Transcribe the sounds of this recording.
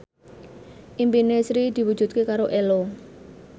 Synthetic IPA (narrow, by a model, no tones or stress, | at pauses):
ʔimpinesɾid̪̥i̤wud̥ʒ̥ṳt̪̚kekaɾoʔelo